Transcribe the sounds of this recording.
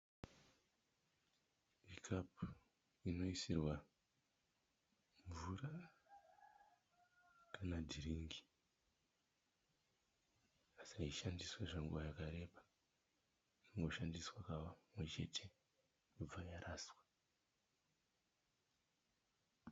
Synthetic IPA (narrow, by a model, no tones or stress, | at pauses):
ikʰapu | ino̞isirwa | ɱvura | kanadʱiriːŋɡi | asaiʃandiswaʐaŋɡuʋajakaɾe̞ːɓḁ | riŋɡo̞ʃandiswakawamwe̞t͡ʃe̞tʰe̞ | kub͡vajaraːswa